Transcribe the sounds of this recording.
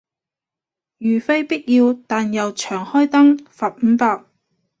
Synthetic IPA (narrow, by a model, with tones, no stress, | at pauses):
jyː˨˩fe˥jpi˥t̚jiː˧wt̪aː˨njɐ˨wt͡ʃʰœː˨˩ŋhɔː˥jt̪ɐ˥ŋfaː˨p̚m̩˨˧˥paː˧k̚